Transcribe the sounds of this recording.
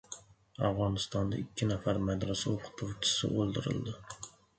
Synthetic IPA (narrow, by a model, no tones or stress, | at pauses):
ɑvʁɑnɨst̪ɑnd̪ɑ̰ikʲʰːinɛfæɾmɛd̪ɾɑsɨoqʰʊ̥t̪ʰut͡ʃʰɪ̥sɨ̰ʔolˠd̪ɨɾɨ̰lˠd̪ɨ